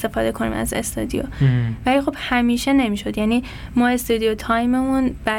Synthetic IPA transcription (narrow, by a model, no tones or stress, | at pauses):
t̪e̞fɒːd̪e̞kʰo̞nḭːmæ̰zḛst̪ɒ̰d̪ijo̰væliːxo̞b̥hæmiːʃe̞ne̞miːʃo̞d̪jæniː | mɒːe̞st̪ɒd̪ijot̪ʰɒjmemunb̥æ